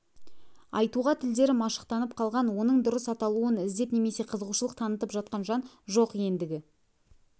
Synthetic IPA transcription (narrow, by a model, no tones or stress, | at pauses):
ɑjt̪uʁɑt̪ʰɪld̪e̞ɾɪmɑʃə̥q̚t̪ɑnəp̚qʰɑlˠʁɑnwo̞nəɴd̪ʊɾəsɑt̪ɑlˠuənɪzd̪e̞pne̞me̞se̞qʰəzəʁuʃəlˠəq̚t̪ʰɑnət̪əpʒɑt̪̚qɑnʒɑn | ʒo̞qje̞nd̪ɪɡʲɪ